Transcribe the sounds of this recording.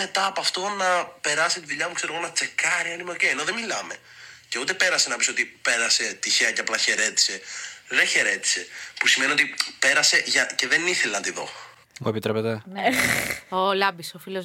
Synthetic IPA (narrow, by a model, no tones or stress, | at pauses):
et̪ɐːpoɐft̪o̞nɐpe̞ɾɐsit̪iðuʎɐmukseɾoɣo̞nɐt͡se̞kɐɾiɐinimeoce̞jeno̞ðemilɐme̞ | ce̞ut̪e̞pe̞ɾɐse̞nɐpiso̞t̪ipe̞ɾɐse̞t̪içeɐceɐplɐçe̞ɾe̞t̪i̥se̞ðeçe̞ɾe̞t̪i̥se̞pusime̞niot̪ipe̞ɾɐse̞ʝɐce̞ðeniθe̞lenɐt̪iðo̞̰ | moepit̪ɾepet̪en | olɐbisofilo